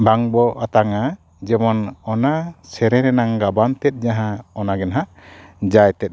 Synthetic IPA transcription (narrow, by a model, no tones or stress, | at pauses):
baŋbɔʔat̪aŋa | d͡ʒɛmɔnɔnasɛɾɛɾɛnaŋɡabant̪ɛt̪̚ˀɲaɦãɔnaɡɛnɦaʔ | d͡ʒajt̪ɛt̪̚